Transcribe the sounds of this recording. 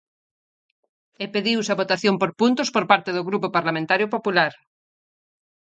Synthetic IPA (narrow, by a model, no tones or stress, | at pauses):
epeðiwsaβot̪aθjompoɾpunt̪ospoɾpaɾt̪eðoɣɾupopaɾlamẽnt̪aɾjopopulaɾ